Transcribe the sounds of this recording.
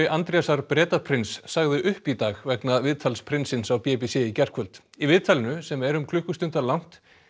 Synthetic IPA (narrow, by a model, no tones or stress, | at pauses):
ɪʔant̪ɾɛjasaɾpɾɛːt̪apʰɾɪnsːaɣðɪʔʏhpit̪aːɣvɛknaðvɪðt̪ʰalspʰɾɪnsɪnsawpɛpisɪcɛr̥kʰœlt̪ivɪðt̪ʰalɪnʏsɛmɛɾʏmkʰlʏhkːʏst̪ʏnt̪alawŋ̥t̪